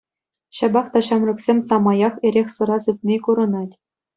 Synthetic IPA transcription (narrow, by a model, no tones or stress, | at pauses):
ɕɑbɑχt̪ɑɕɑmrɘ̆ksʲemʲsɑmɑjɑχeɾʲexʲsɤ̆ɾɑzɘ̆t̚ʲnʲekuɾɤ̆nɑtʲ